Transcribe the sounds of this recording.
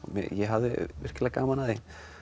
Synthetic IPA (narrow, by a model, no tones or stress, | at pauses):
mɛ̰jɛɦavðɪ̰vɪr̥cɪlakaːmanaðe